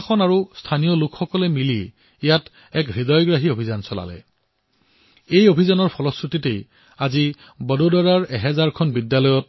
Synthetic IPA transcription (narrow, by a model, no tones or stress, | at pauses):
kʰɔnaɹustʰanijɔlʊkxɔkɔlɛmiliː | jat | ɛkɹidɔjɡɹaɦiobʱizansɔla̰lɛ̰ | ejobʱizanɔɹpʰɔlɔskɹutitej | azi | bɔdodɔɹaɹɛɦɛzaɹkʰɔnbidjalɔjɔt̚